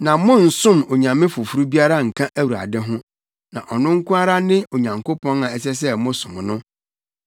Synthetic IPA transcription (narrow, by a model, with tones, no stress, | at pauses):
nã˨mʊ̃˦n̩˨sʊ̃˦˨mo˨ɲã˨mːɪ̃˦fʊ˨fu˦ɾu˦bi˦a˦ɾa˦ŋ̩˨kʰã˦ʔæ˦wu˨ɾa̰˨dɪ˦ɦʊ̃˦ | nã˨ʔɔ˨nʊ̃˦ŋ̩˦kʊ̃˦a˦ɾa˦nɪ̃˦o˨ɲã˨ŋkʰo˦pʰɔ̃˦nã˨ɛ˦s̬ɛ˦s̬ɛ˦mʊ̃˦sʊ̃˨m˨nʊ̃˦